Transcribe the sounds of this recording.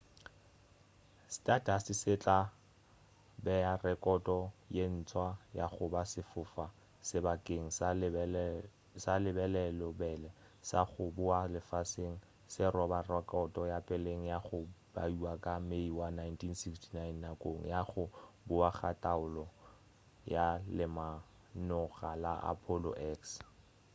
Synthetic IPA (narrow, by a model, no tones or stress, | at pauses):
stʼatasɪsɪt͡ɬʼa | bɛjarɛkʼɔtʼɔjen̩t͡sʰwaja̰χʊbasɪfʊfa | sɪbakʼeŋ̩s | salɪbɛlɛlɔbɛlɛ | saχʊbʊalɪfaseŋ̩ | sɪrɔbarɔkʼɔtʼɔjapʼɪleŋ̩jaχʊb̥a̰uwakʼameiwanajntʰinsikstʰinajnːakʼoŋ̩̰jaχʊbʊaχatʼaʊlɔ | jalɪma | nʊɣalaʔa̰pʰɔlɔ̰ʔɛks